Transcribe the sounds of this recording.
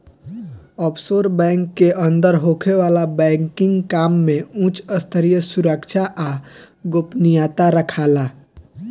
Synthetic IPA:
ɔːpsoːɾbɛ̃ːŋkːeʔə̃nd̪əɾɦokʰeʋaːlabɛ̃ːŋkɪ̃ŋɡkaːmːẽũt͡ʃəst̪ʰəɾijəsuɾəkt͡ʃʰaʔa | ɡopnijat̪aɾəkʰaːlaː

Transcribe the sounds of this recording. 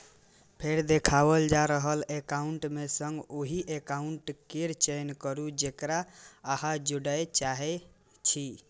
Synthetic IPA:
pʰeɾd̪ekʰabəld͡ʒaɾəɦəlekauɳʈmesəŋɡoɦiʔekauɳʈkeɾt͡ʃenkəɾud͡ʒekɾaːɦad͡ʒuɽət͡ʃaɦɛ | t͡ʃʰi

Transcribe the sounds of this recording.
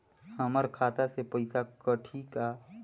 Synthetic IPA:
həməɾkʰaːt̪asepɐɪsakəʈʰika

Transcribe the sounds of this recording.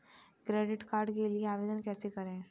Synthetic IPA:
kɾeːɖɪʈkaːɾɖkelieaːʋeːd̪ənkɛːsekəɾẽ

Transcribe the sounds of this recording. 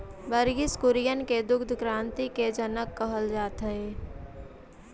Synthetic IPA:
bəɾɡɪskʊɾijənked̪ʊɡd̪ʱkɾãːnt̪iked͡ʒənəkːəɦəld͡ʒaːt̪əe

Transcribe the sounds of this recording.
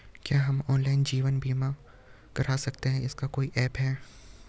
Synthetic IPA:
kjaːɦɐmɔːnlaːɪnd͡ʒiːʋənbʱiːmã | kɐɾaːsɐkt̪eɦɛ̃ɪskakoːiʔɛːpɦɛː

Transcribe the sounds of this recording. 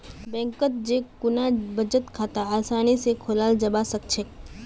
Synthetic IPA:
bɛ̃ːŋkət̪̚d͡ʒekʊnabəd͡ʒət̪kʰaːt̪aaːsaːnisekʰʊlaːld͡ʒɐbasɐk̚t͡ʃʰek

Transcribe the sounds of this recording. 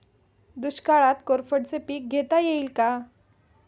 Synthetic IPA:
d̪uɕkaɭat̪koɾfəɽt͡sepiːk̚ɡʱet̪ajeiːlka

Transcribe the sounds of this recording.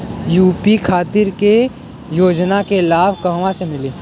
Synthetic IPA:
juːpikʰaːt̪ɪɾke | joːd͡ʒnakelaːbʱkɐɦʋãsemɪliː

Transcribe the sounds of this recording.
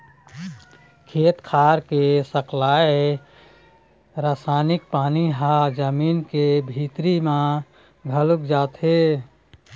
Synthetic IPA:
kʰeːt̪kʰaːɾkesəklae | ɾaːsaːnɪk̚paːniɦad͡ʒəmiːnkebʱit̪ɾimã | ɡʱəlukd͡ʒaːt̪ɦe

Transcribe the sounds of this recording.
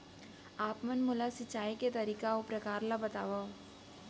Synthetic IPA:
aːpmənmʊlasɪt͡ʃaːiket̪ɐɾiːkaopɾɐkaːɾlabɐt̪aːʋa

